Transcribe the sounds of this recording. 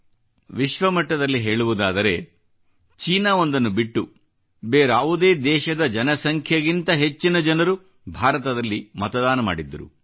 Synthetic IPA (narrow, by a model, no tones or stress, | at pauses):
ʋiʃʋɐmɐʈːɐd̪ɐlːiɦe̞ːɭuʋud̪aːd̪ɐɾe̞ | t͡ʃiːnaːo̞nd̪ɐnːubiʈːu | beːɾaːʋud̪e̞ːd̪ɛːʃɐd̪ɐd͡ʒɐnɐsɐŋkʰjɐɡint̪ɐɦe̞t͡ʃːinɐd͡ʒɐnɐɾu | bʱaːɾɐt̪ɐd̪ɐlːimɐt̪ɐd̪aːnɐma̰ːɽid̪ːɐɾṵ